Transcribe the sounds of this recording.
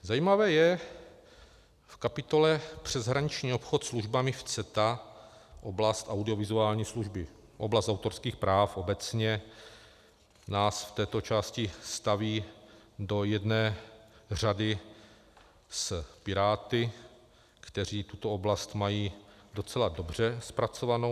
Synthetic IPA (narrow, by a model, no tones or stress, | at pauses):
zajiːmavɛːjɛ | fkapɪt̪o̞lɛpr̝̥ɛzɦɾaɲɪt͡ʃɲiːo̞pxot̪sluʒbamɪft͡sɛt̪a | ʔoblast̪ʔawdɪo̞vɪzuaːlɲiːsluʒbɪ | ʔo̰blast̪awt̪o̞ɾskiːxpɾaːfʔo̞bɛt͡sɲɛ | naːsft̪ɛːt̪o̞t͡ʃaːscɪst̪aviːdo̞jɛdnɛːr̝adɪ | spɪɾaːt̪ɪ | kt̪ɛr̝iːt̪ut̪ooblast̪majiː | do̞t͡sɛlado̞br̝ɛspɾat͡so̞vano